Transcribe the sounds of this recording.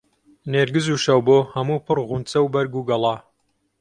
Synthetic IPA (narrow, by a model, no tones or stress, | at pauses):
neːɾɡɨzuʃɐwboːhɐmuːpʰɨrʁunt͡sɐwbɐɾɡuɡɐlˠɑ